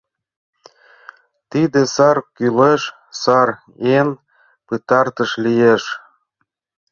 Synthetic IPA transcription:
t̪id̪esɑrkyleʃ | sɑr | en | pɨt̪ɑrt̪ə̆ʃlijeʃ

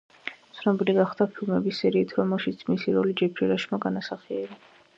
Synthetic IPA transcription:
tt̪sʰnɔbiliɡaχd̪̥apʰilˠmɛbisːɛɾiːt̪ʰɾɔmɛlˠʃit̪sʰmisiɾɔlid͡ʒɛpʰɾiɾaʃmaɡanasaχiɛɾa

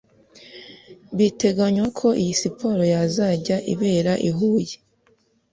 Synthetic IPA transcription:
βite̞ɡaɲwakʰo̞ʔijisipʰo̞ɾo̞jazaːɟaʔḭβe̞ːɾaʔiɦuːje

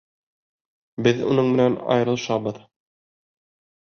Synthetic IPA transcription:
bɘðṵnɤɴmɘ̆nænɑ̰jɾɤ̆lˠʃɑbɤð

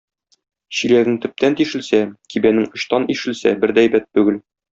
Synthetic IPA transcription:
ɕilæɡɘŋt̪ɵ̆p̚t̪ʰænt̪iʃɘ̆lsækibænɘŋɤ̆ɕt̪ɑniʃɘ̆lsæbɘɾd̪æjbæt̪̚ːʉɡɘl

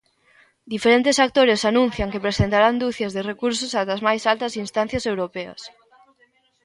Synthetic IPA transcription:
d̪ifeɾent̪ɪsak̚t̪oɾesanũn̟θjɐŋkepɾesent̪aɾand̪uθjɐzðerekuɾsʊsat̪ɐzmajsalt̪ɐsinst̪ãn̟θjɐsewɾopeɐ̰s

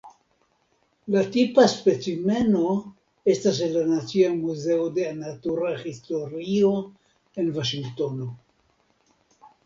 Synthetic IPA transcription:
latipaspe̞t͡sime̞no̞ | e̞stas̬lanat͡siamuze̞odeanatuɾaxisto̞ɾio | envaʃiŋɡto̞no

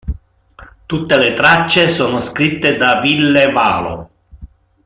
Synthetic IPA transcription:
t̪ut̪ːelet̪ɾat͡ʃːesoːnoskɾit̪ːed̪avilːeva̰ːlo̰

